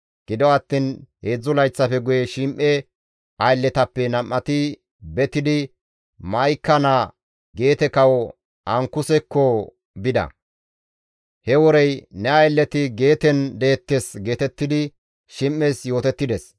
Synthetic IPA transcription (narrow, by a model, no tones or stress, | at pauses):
ɡ̥ɪd̪ɔɐt̪ːiːnheːd͡zːʊlɐjt͡sːɐfɛɡʊjɛʃɪmʔːɛ | ɐjlːɛt̪ɐpːɛnɐmːɐt̪ɪ | bɛt̪ɪd̪ɪ | mɐjkːɐna | ɡe̞ːt̪ɛkɐwɔ | ɐŋkːʊsɛkːɔ | bɪd̪ɐ̰ | hɛwɔɾɛjnɛɐjlːɛt̪ɪɡe̞ːt̪ɛnd̪ɛːt̪ːesɡe̞ːt̪ɛt̪ːɪd̪ɪ | ʃɪmʔːesjo̞ːt̪ɛt̪ːɪd̪ɛs